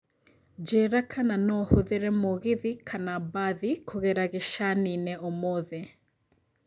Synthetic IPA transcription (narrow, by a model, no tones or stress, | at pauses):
d͡ʒɛɾakʰananɔhoðeɾɛmoɣɪðikʰanabaðikʰoɣeɾaɣeʃaninɛɔmɔðɛ